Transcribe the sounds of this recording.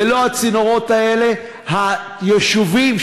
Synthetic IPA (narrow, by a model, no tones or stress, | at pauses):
elo̞at͡sinoʁo̞tae̞le̞ | ha | jeʃuvim